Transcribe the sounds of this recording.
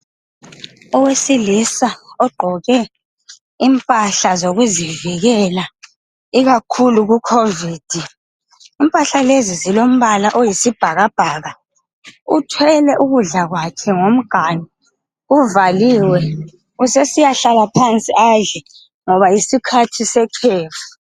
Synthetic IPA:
ɔwesilisaɔɡ͡ǃʱɔɣɛ | impʼaɬazoɣuziviɣɛla | iɣakʰuluɣukʰoviːd̥ʱi | impʼaɬalezizilom̩βalaʔojisib̥ʱaɣab̥ʱaːɣa | utʰwɛlɛʔuɣuɮaɣwakʰɛŋom̩ɡ̥ʱani | uvaliːwɛ | usesijaɬalapʰant͡sʼiʔaɮɛ | ŋɔβaisikʰatʰisɛkʰeːfu̥

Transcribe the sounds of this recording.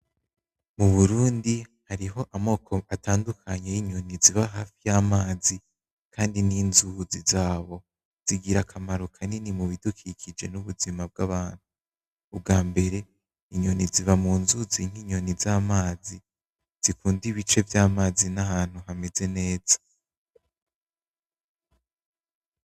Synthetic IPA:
muβuɾuːndihaɾiɦo̞ʔamo̞ːkʰo̞ʔatʰaːndukʰaɲejiɲo̞niziβaɦaːfijamaːzi | kʰaːndiniːnzuzizaːβo̞ | z̥iɡiɾakʰamaɾukʰaninimuβidukʰikʰid͡ʒe̞nuβuzimab̚ɡaβaːn̥huː | b̚ɡaːmbe̞ɾe̞ | iɲo̞niziβamuːnzuziŋ̥iːɲo̞nizamaːzi | z̥ikuːndiβit͡ʃe̞vjaːmaːzinaɦaːn̥huɦame̞ze̞ne̞ːz̥ḁ

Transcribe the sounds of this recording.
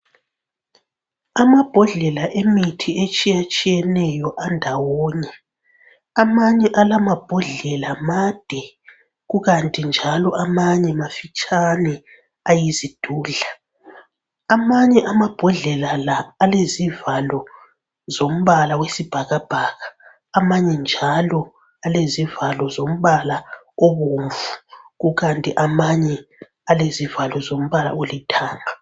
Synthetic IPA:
amab̥ʱɔɮɛlaʔemitʰiet͡ʃʼijat͡ʃʼijɛnɛjɔʔandʱawɔːɲɛ | amaɲɛʔalamab̥ʱɔɮɛlamad̥ʱɛ | ɣuɣantʼind͡ʒʱalɔʔamaɲɛmafit͡ʃʼanɛ | ajizid̥ʱuːɮa | amaɲɛʔamab̥ʱɔɮɛlalaːlezivalɔ | zom̩βalawesib̥ʱaɣab̥ʱaːɣaː | maɲɛnd͡ʒʱalɔ | alezivalɔzom̩βala | oβuːɱvuɣuɣantʼiʔamaɲɛ | alezivalɔzom̩βala̰olitʰaːŋa

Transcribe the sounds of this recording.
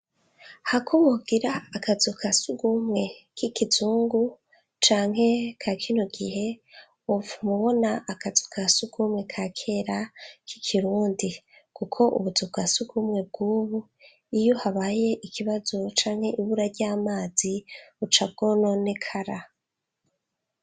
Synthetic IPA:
hakʰumubɡiɾaːkazukʰasuɡumŋe̞kʰikizuːŋɡu | t͡ʃaːŋɦe̞kʰakʰinoɡiɦe̞ | uvumuβo̞naʔːkazukʰasuɡ̥umŋe̞kʰakʰe̞ɾakikʰiɾuːndikukʰo̞ʔṵβuzuɡasuɡumŋe̞b̚ɡuːβu | ijo̞haβaːje̞ʔikʰiβazo̞t͡ʃaːŋhe̞ʔiβuɾaɾɟaːmaːziβut͡ʃab̚ɡo̞no̞ne̞kʰaɾa

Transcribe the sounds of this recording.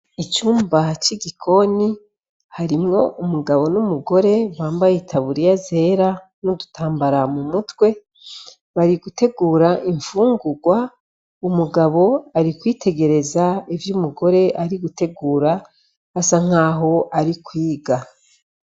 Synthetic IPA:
it͡ʃuːmbat͡ʃiɡikʰo̞ni | haɾimŋo̞ʔumuɡaβo̞numuɡo̞ɾe̞βaːmbajitʰaβuɾijaze̞ːɾa | nudutaːmbaɾamumutwe̞ | βaɾiɡute̞ɡuːɾaʔiɱfuːŋɡuɡwa | umuɡaβo̞aɾikwiːtʰe̞ɡe̞ɾe̞zaivjumuɡo̞ɾe̞ʔaɾiɡute̞ɡuːɾaː | saŋ̥aːɦo̞ʔaɾikwiːɡa

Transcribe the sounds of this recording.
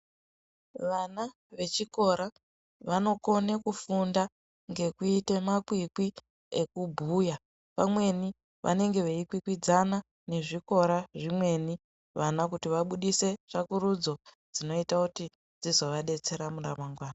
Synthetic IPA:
ʋana | ʋe̞t͡ʃiko̞ɾa | ʋano̞ko̞ne̞kufunda | ŋɡe̞kuite̞makwikwi | ekubʱuːja | pamwe̞ni | ʋʔa̰ne̞ŋɡe̞ʋeikwikwid͡zana | ne̞ʐiko̞ɾaʐimwe̞ni | ʋanakutiʋaɓuɗise̞ʐ̥akuɾud͡zo̞ | d͡zino̞itakuti | d͡zizo̞ʋaɗe̞t͡se̞ɾamuramaŋɡwaːna

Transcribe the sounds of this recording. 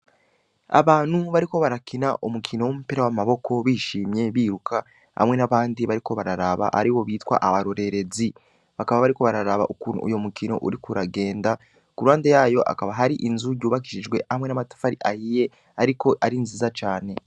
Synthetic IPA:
a̰βaːn̥huβaɾiko̞βaɾakʰinaʔumukʰino̞womupiɾawamaβo̞kʰo̞βiːʃiːmɲe̞βiːɾukʰa | ha̰mŋe̞naβaːndiβaɾiko̞βaɾaɾaβa̰ʔa̰ɾiwo̞βiːtwa̰ʔaβaɾoɾe̞ɾe̞zi | βakaβaβaɾiko̞βaɾaɾaβa̰ʔukuːnṵṵjo̞mukino̞̰ʔuɾikuɾaɡe̞ːnda | kuɾuaːndejaːjo̞ʔa̰kaβaɦaɾiʔinzuɟuːβak̬iʃid͡ʒɡwe̞hamŋe̞namatḁfaɾiʔahije̞ | aɾiko̞ʔaɾinziːzat͡ʃaːne̞

